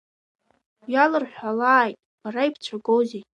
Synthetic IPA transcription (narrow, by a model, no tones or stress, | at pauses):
jalɨrħʷᶣalaːjtʼb̥aɾaipʰt͡ʃʷʰaɡowzejʼ